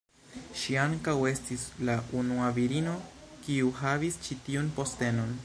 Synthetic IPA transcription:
ʃiaŋkawe̞stislaunuaviɾino̞kiuɦavist͡ʃitiunpo̞ste̞no̞n

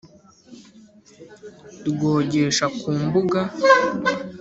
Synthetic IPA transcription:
tɡo̞ːɟeʃakuːmbuɡa

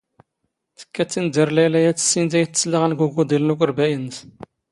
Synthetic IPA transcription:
θə̥kːæt͡sːind̪əɾlælæjæt͡sːə̥sːint̪æjət͡sːə̥sləʁænɡuɡud̪ˤilnukəɾbæjəns

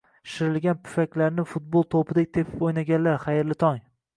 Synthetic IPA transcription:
ʃɪɾɪlɡʲanpʰʊ̥fakʲlaɾnɪfʊt̪̚bolˠt̪ʰopʰɪd̪ek̚ʲt̪ʰe̞pʰɪ̥pojnaɡʲanlaɾχajɪɾlɪt̪ʰɒŋ

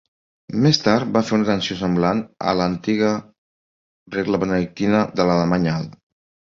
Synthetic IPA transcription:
mest̪aɾt̪̚bafeɾunət̪ənsiosəmblanə̰lənt̪iɣə | reɣləβənəðik̚t̪inəðələləmaɲalˠ

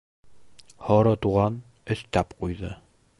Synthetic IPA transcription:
hɒɾɤt̪uʁɑn | ɵ̆st̪æpqujðɤ

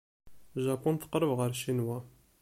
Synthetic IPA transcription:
ʒakʷːʊnt̪ə̥qɾˤəvʁəɾʃinwæ

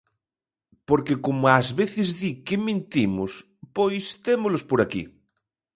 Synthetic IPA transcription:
poɾkekomoazβeθezðikemẽnt̪imos | pojst̪emolospoɾakḭ

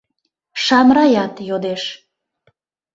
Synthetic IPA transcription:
ʃɑmɾɑjɑt̪jod̪eʃ

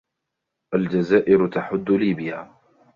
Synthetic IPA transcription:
ʔald͡ʒazaːʔɪɾt̪aħʊd̪ːʊliːbɪjaː

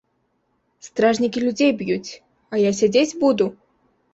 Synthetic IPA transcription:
st̪ɾaʐnʲikʲilʲud͡zʲejbjut͡sʲ | ajas̬ʲad͡zʲet͡sʲbud̪u

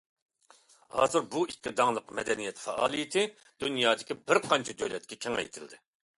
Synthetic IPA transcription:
hɑ̰ːzɨɾbuikʲːid̪ɑŋlˠəqmɛd̪ɛnijɛt̪fɛʔɑ̰ːlˠijɪt̪ʰɪ | d̪̥unjɑːd̪ɪkʲibɪɾqʰɑnt͡ʃʰɛd̪øjlɛt̪kʲɛkʲʰɛŋɛ̰jḛt̪ʰɪld̪ɪ

